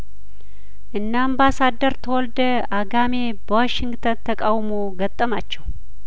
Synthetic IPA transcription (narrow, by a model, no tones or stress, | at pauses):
ʔɨnːambasad̪əɾt̪ʰəwɔld̪ə | aɡame̞ | bəwaʃɪŋɡt̪ʰənt̪ʰəkʼawmoɡət̪ʼːəmat͡ʃːɛw